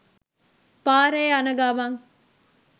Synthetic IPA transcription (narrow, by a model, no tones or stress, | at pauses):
paːɾɐjɐnɐɡaːʋaːŋ